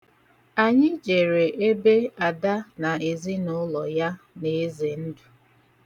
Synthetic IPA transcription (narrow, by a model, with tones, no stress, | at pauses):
a˨ɲɪ˦d͡ʒe˨ɾe˨ʔe˦be˦a˨da˦na˨e˨zi˦nʊ˦lɔ˨ja˦ | ne˨˦ze˨n̩˦du˨